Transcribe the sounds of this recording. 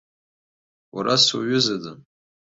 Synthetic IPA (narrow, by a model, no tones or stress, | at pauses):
waɾaswa̰ɥʏzadɨm